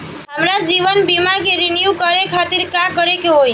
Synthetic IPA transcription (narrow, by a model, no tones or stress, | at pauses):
ɦəmɾad͡ʒiʋənbimakeɾinjukəɾekʰat̪iɾkakəɾekeɦoj